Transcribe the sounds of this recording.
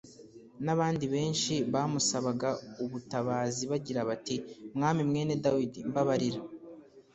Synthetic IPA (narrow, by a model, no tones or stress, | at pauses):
naβaːndiβe̞ːnʃiβaːmusaβaɡauβutaβaːziβaɟiɾaβatimŋaːmimŋe̞ːne̞dawidimbaβaɾiɾa